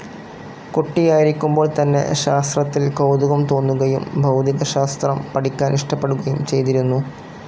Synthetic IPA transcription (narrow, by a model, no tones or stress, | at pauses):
koʈːijaːjiɾikʲːumbo̞ːɭt̪ɐnːe̞̰ɕaːst̪rɐt̪ːilkowd̪uɣɐmt̪o̞ːnːuɣɐjumbʱɐwd̪ʱiɣɐɕaːst̪rɐmpɐʈikʲːaːniʂʈɐpːe̞ɽuɣɐjumt͡ɕe̞jt̪iɾunːu